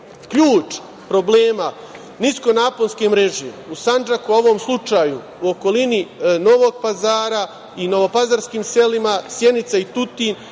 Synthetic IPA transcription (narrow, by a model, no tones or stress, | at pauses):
kʎuːt͡ʃ | pɾo̞bleːma | nisko̞naːponskemɾe̞ʒeusand͡ʒakuo̞ʋo̞ːmslˠut͡ʃaːju | uoko̞linino̞ʋo̞ɡ̚pazaːɾa | ino̞ʋo̞pazaɾskiːmse̞limasjenit̪sait̪ut̪iːn